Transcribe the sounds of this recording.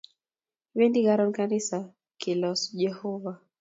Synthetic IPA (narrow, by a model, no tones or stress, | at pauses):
wendiɡaɾɔnkanisa | kilɔsd͡ʒɛhɔva